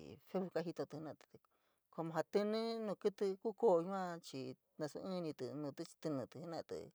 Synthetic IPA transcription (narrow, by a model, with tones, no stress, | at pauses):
fe˦βu˧ka˦ɦi˧t̪o˧t̪ɨ˧hnã˧t̪ɨ̥˧t̪ɨ˧ | ko˧mõ˧ɦa˧t̪ɨ˧nɨ̃˦nũː˧kɨ˦t̪ɨ˧ku˦ko˦˧ɲũ˦ã˧t͡ʃi˧ | nã˧sṵ˧ʔɨ̃˦˧nĩ˧t̪ɨ˧nũː˧t̪ɨ˦t͡ʃi̥˧t̪ɨ˧nɨ̃˧t̪ɨ˧hnã̰˦˧t̪ɨ̰˨